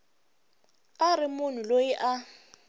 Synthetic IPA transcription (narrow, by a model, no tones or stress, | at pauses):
arɪmʊn̤ulojiʔa